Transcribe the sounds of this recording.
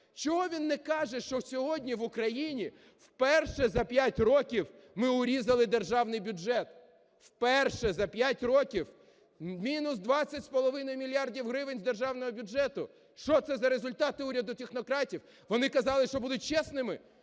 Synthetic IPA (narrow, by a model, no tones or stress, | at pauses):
t͡ʃɔɦɔʋʲinːɛkɑʒɛʃt͡ʃɔsʲɔɦɔdʲnʲiʋʊkɾɐjinʲi | wpɛrʃɛzɐpʲjatʲrɔkʲiw | mɪʊɾʲizɐlˠɪd̪erʒɑwnɪjbʲʊd͡ʒɛt̪ | wpɛrʃɛzɐpʲjatʲrɔkʲiw | mʲinʊsd̪ʋɑt͡sʲːɐtʲspɔlˠɔʋɪnɔjmʲilʲijɑrdʲiwɦɾɪʋɪnʲzd̪e̞rʒɑwnɔɦɔbʲʊʒɛt̪ʊ | ʃt͡ʃɔt̪sɛzɐɾezʊlʲt̪ɑt̪ɪuɾʲɐd̪ʊt̪ʲexnɔkɾɑtʲiw | ʋɔnɪkɐzɑlˠɪʃt͡ʃɔbud̪ʊt̚ʲt͡ʃɛsnɪmɪ